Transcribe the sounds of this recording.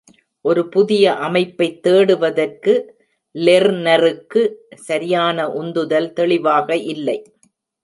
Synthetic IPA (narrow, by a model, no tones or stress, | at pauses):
ʔɔɾɯpʊðɪjɐʔɐmɐɪpːɐɪt̪ːeːɽɯʋɐðɐrkɯ | lɛɾnɐrɯkːɯsɐɾɪjaːnɐʔʊnd̪ɯðɐlt̪ɛɭɪʋaːɣɐʔɪlːɐɪ